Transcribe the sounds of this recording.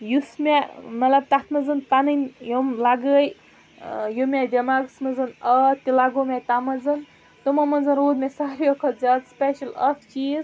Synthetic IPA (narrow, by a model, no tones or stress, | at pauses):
jusmemɐt̪lɐb̚t̪at̪ʰmɐzɨnt̪anɨnʲjomlaɡəj | jumʲed̪ʲɐmaːɡsmɐzɨnɐt̪ilaɡomet̪amɐzɨn | t̪umɐmɐnzɐnɾoːd̪mʲesaːɾijokʰɐt̪zʲaːd̪speʃɐlɐ̰ft͡ʃiːz